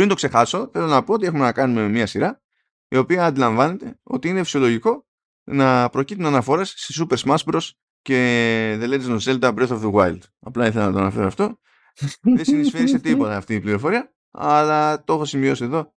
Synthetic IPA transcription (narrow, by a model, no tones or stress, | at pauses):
pɾind̪o̞kse̞xɐso̞θe̞lo̞nɐpoot̪iexume̞nɐkɐnume̞miɐsiɾɐ | io̞piɐːnd̪ilɐɱvɐne̞t̪e̞o̞̰t̪iine̞fi̥siolo̞ʝiko̞ | nɐpɾo̞cit̪unɐnɐfo̞ɾe̞sːisupeɾsmɐspɾos | ce̞ðelet̪iznoselt̪ɐbɾeθofðeɣwajld̪ | ɐplɐiθelɐnɐt̪oɐnɐfe̞ɾoɐft̪o̞ | ðe̞ssinissfeɾise̞t̪ipo̞t̪ɐːft̪iːpliɾo̞fo̞ɾiɐ | ɐlɐt̪o̞xosimio̞sie̞ðo̞